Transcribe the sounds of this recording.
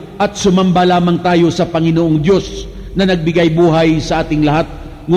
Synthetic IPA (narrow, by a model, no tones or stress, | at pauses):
ʔɐt̪̚sʊmɐmbɐlaːmɐŋt̪aːjo̞sɐpɐŋɪnoʔoŋd̪jo̞s | nɐnɐɡ̚bɪɡajbuːɦɐjsɐʔaːt̪ɪŋlɐɦat̪̚ | ŋʊ